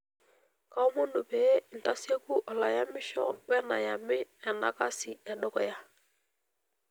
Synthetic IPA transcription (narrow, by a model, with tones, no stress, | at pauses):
ka˦mo˦ndu˨pe˨e˦i˨n˨ta˦se˦ku˦ʔɔ˨la˨ja˦mɪ˦ʃɔ̰˦bɛ˦na̰˨ja˨mɪ˦ɛ˨na̰˨ka˦sɪ˨ɛ˨ɗɔ˦kɔ˨ja˦